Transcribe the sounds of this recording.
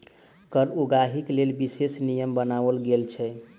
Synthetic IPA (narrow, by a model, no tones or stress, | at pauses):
kəɾuɡaɦiklelbisesnijəmbənaʋəlɡelt͡ʃʰɛ